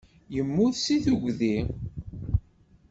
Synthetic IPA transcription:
jəmːʊðsiθuɡʷði

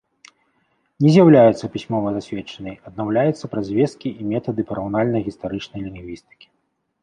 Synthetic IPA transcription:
nʲɛzʲjawlʲajut̪sːɐpʲisʲmɔvɐzasʲvʲɛt͡ʂɐnɐjɐd̪̚nawlʲajut̪sːɐpɾɐzʲvʲɛs̚kʲiʔimʲɛt̪ɐd̪ɨpɐɾawnalʲnɐjɣʲist̪aɾɨt͡ʂnɐjlʲiŋɣvʲist̪ɨ̥kʲi̥

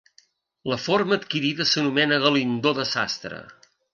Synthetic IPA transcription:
ləforməːt̪kiɾiðəsənumɛnəɣəlind̪oðəzast̪ɾə̰

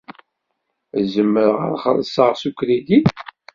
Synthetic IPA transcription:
zəmːəɾʁə̰ɾˤχə̰lˤːəsˤəʁsukɾid̪i

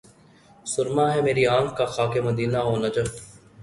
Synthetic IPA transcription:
sʊɾmaːɦɛmeːɾiãːkkaxaːkeməd̪iːnaɦoːnɐd͡ʒəf

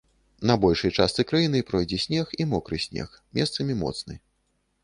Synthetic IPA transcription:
nɐbɔlʲʂɐjt͡ʂast̪sɨkɾajinɨpɾɔjd͡zʲɛsʲnʲɛximɔkɾɨsʲnʲɛ̰x | mʲʔɛst̪sɐmʲimɔ̰t̪snɨ̰

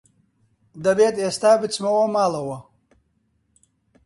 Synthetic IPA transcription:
d̪ɐbeːt̪ʼeːst̪aːbɨt͡sʼmɐwɐmaːlɐwɐ

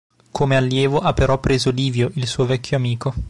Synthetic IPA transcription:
kʰomealːjɛːvoʔapːeɾɔpːɾeːzoliːvjoʔilsuːovɛkʰʲːjoamiːko

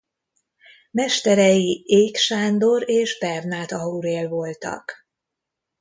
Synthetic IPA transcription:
mɛʃt̪ɛɾɛjieːkʃaːnd̪o̞ɾeːʒbɛrnaːt̪ɒuɾeːlvo̞lt̪ɒ̰k

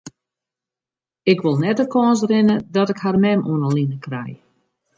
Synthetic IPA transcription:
ɪkʋɪlˠnɛdəkɔːns̬rɪnədɔtɪkharmɛmʔṵənəlinəkrɛ̰j

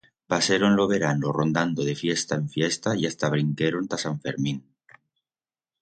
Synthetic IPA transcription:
paseɾonlo̞βe̞ɾanoro̞nd̪and̪oðe̞fje̞st̪aeɱfje̞st̪aiast̪aβ̞ɾiŋkeɾont̪asaɱfe̞̰ɾmĩn

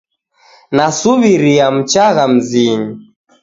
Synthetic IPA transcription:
nasuβiɾiam̩t͡ʃaɣam̩ziɲi

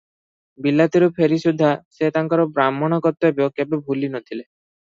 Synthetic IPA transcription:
bilːat̪iɾupʰeɾisud̪ʱːaset̪aŋkaɾɔbɾamːɔɽ̃ɔkɔt̪ːɔebokebebʱulinɔt̪ʰile

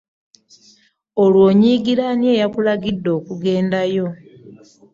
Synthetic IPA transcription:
olwo̞ːɲiːɡiɾanje̞jakulaɡidːo̞ːkuɡe̞ːndajo̞

